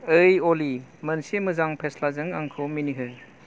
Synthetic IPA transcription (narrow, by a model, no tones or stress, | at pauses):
ɯjolimɐnsimɯzaŋpʰeslazɯŋa̰ŋkʰominiɦɯ